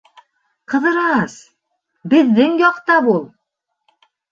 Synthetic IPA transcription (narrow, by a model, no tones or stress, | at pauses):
qɤ̆ðɤ̆ɾɑɑs | bɘ̆ðːɘŋjɒqt̪ɑpulˠ